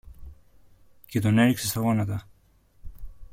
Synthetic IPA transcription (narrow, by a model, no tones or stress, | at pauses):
cet̪oneɾiksesɐɣonat̪a